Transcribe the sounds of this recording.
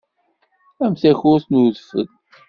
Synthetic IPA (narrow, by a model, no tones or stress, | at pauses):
æmθæçʊɾθnuðfə̰ð